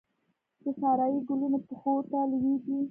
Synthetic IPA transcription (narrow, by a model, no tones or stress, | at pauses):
d̪̥əsɑɾɑjiɡʊlunopəxot̪alweɡi